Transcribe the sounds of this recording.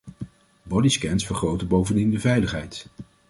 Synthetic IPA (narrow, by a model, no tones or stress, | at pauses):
bɔdiskɛnsfəɹχrowtəbowvəndindəvɛjləχɦɛjt